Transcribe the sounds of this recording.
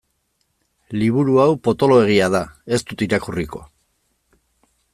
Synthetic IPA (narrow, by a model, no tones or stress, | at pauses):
liβ̞uɾuawpo̞t̪o̞lo̞e̞ɣ̞iaðae̞st̪ut̪iɾakuriko̞